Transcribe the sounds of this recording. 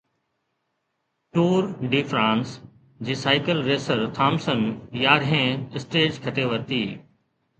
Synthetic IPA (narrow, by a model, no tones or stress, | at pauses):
ʈuːɾɖiːfʰɾãːns | d͡ʑiːsaːɪkəlɾeːsəɾt̪ʰaːmsənjaːɾẽːɪsʈeːd͡ʑkʰɐʈʰeʋəɾt̪iː